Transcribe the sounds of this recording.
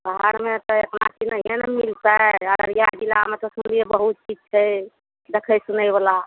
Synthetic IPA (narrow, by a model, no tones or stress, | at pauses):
bɦaɽmet̪ɔek̪nakinəijenmilt̪əəɾəɾijad̪ilamet̪ɔsunlijebəɦut̪̚t͡ʃid͡ʒt͡ʃʰɛ | d̪ekʰəjsunəjbela